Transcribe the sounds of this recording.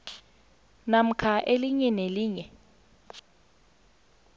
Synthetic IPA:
nam̩kʰaʔeliɲɛneliːɲɛ

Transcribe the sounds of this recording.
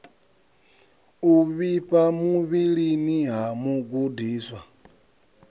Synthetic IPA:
uβiɸamuβiɺiniɦamuɡudiːswa

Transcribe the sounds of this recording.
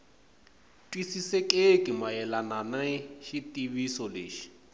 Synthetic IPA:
tʼwisisekʼekʼɪmaɛlananaʃitʼiβisɔleːʃi̥

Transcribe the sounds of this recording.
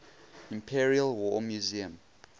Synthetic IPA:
ĩmpʰiɹiəlwɔmjuziə̃m

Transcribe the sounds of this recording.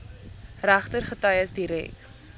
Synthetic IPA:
ræχtərχətɐjəsdiɾɛ̰k

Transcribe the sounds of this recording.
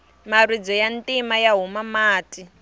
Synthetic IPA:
marid͡zɔjantʼimajaɦumamaːti

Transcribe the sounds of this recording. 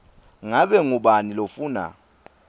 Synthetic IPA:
ŋaɓɛŋuɓanilofuːna̰

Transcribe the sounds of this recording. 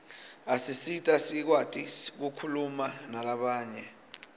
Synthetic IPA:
asisitʼasik̬watʼisk̬ukʰulumanalaɓaːɲɛ

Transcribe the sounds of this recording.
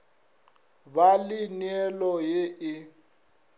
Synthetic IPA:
balɪnɛlɔjeʔɪ

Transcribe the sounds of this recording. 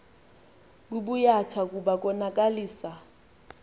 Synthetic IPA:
bubujatʰakʼubakʼɔnakʼaliːsa

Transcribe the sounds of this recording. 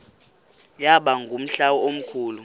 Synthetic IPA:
jaɓaŋɡʱum̩ɬawɔom̩kʰuːlu

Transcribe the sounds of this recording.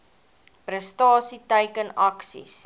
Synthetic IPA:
prəstɑːsitəjkənɐksḭs

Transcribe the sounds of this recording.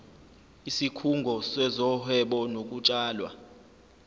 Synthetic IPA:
isikʰuŋɡʱɔsɛzɔhɛɓɔnok̬ʼut͡ʃʼaːlwa̰

